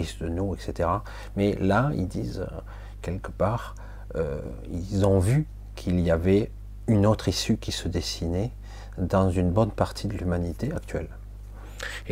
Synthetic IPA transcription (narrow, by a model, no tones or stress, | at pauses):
isd̪ənuɛkset̪eʁa | mɛlaḭld̪iz̰ | kʲɛlkəpaʁ | ø̰ | ḭlzɔ̃vy | kʰiliavɛ | ynot̪χisykʲisəd̪esinɛ | d̪ɑ̃zynbɔnpaʁt̪ʰid̪əlymanit̪eakt̪ɥɛ̰l